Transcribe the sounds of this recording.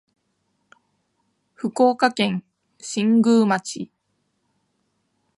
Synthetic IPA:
ɸɯ̟koːkakẽ̞ŋ | ɕĩŋɡɯ̟ːmat͡ɕi

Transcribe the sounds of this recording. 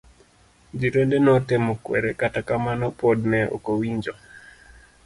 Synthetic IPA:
d͡ʒiɾondenɔtemokwɛ̰ɾekatakamanɔpɔdnɛʔo̰kowiɲd͡ʒo

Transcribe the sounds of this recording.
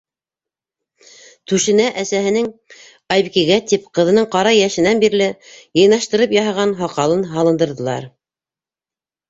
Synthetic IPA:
t̪ʉʃɘ̆næʔæsæɦɘ̆nɘŋ | ɑjβikiɡæt̪ip̚qɤ̆ðɤ̆nɤɴqɑɾɑjæʃɘ̆nænbiɾlɘjɤ̆jnɑʃt̪ɤ̆ɾɤpjɑɦɑʁɑnɦɑqɑlˠɤnɦɑlˠɤ̆nd̪ɤ̆ɾðɤ̆lˠɑ̰ɾ

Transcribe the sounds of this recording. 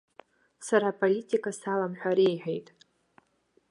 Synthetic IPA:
saɾapʰʼolitʰʲʼikʼasalamħʷᶣaɾiejħᶣejtʼ

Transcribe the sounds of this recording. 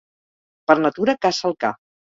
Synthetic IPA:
pəɾnət̪uɾəkasəlˠka̰

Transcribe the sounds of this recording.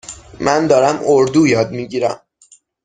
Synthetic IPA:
mænd̪ɒːɾæmoɾd̪uːjɒːd̪̚miːɟiːɾæ̰m

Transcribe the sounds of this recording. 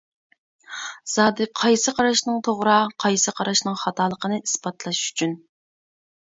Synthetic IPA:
z̥ɑːd̪ɨqʰɑjsɨqʰɑɾɑʃnɨŋt̪ʰoʁɾɑqʰɑjsɨqʰɑɾɑʃnɨŋχɑt̪ʰɑːlˠəqənɨʔisbɑt̪lˠɑʃʃy̥t͡ʃʰyn

